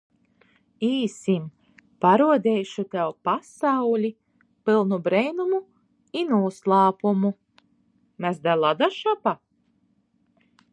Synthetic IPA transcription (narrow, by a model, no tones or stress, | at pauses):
iːsim | paɾuɔd̪ɛjʃut̪ɛwpasawlʲi | pilˠnubɾɛjnumu | inuːslˠɑːpumu | mæsd̪alˠad̪aʃapa